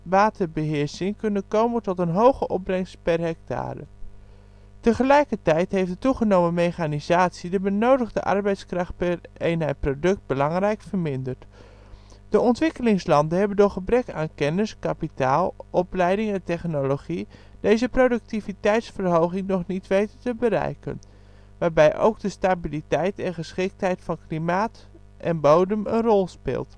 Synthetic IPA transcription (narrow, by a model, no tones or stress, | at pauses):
ʋaːtʰəɹbəɦɪːɹsɪŋkɵnənkowməntɔtənɦowχəʔɔp̚b̚brɛŋstpɛrɦɛk̚tʰa̰ːɾə̰ | təχəlɛjkəɹtɛjtɦejfdətuχənowməmejχaːnizaːtsidəbənowdəχdə̰ʔɑ̰ɹbɛjtskrɑχt̚pɛrejnɦɛjt̚prodɵk̚t̚bəlɑŋrɛjkfəɹmɪndəɹt | d̥əɔntʋɪkəlɪŋslɑndənɦɛbəndoːχəbrɛka̰ːnkɛnəskapitaːlˠʔɔplɛjdɪŋɛntɛχnoloχid̥ejzəprodɵk̚tivitɛjtsfərɦowɣɪŋnɔχnitʋejtətəbəɾɛ̰jkə̰n | ʋaːɹbɛjʔo̰wɡ̚dəstabilitɛjtɛnχəsχɪk̚tɦɛjtfɑnklimaːt | ʔɛnbowdəmə̰nrɔlˠspɪ̰ːlˠt